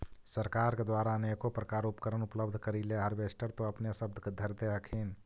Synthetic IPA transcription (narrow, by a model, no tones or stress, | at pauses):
səɾkaːɾked̪waːɾaneːkopɾɐkaːɾʊpkəɾənʊpləbd̪ʱkəɾilaɦɐɾʋeːʃʈəɾt̪õɐpnesəb̚d̪ʱked̪ʱəɾd̪eakʰeːn